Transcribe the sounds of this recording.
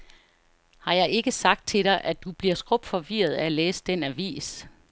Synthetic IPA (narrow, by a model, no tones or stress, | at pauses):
hɑ̈jɑ̈ɪe̝ɡ̥əsɑ̈ɡ̥̚d̥̚t͡sʰe̝ɾ̥ɑ̈ɪʔæd̥ub̥liɐ̰sɡ̥ʁɔb̥fɒ̽ʋiɐð̞ˠæleːsə̥d̥enæʋḭːs